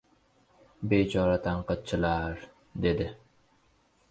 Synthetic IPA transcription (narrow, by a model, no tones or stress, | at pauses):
bet͡ʃʰɒɾat̪ʰaɴqɨt̪̚t͡ʃʰɪlaɾ | d̪e̞d̪ɪ